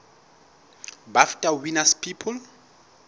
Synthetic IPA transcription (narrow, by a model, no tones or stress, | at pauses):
baftʼawinaspʰipʰɔl